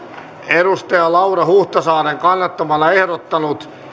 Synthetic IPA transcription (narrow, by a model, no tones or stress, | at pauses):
erust̪ɑjɑlɑurɑhuht̪ɑsɑːɾeŋkɑnːɑt̪ːomɑlːɑehɾot̪ːɑnut̪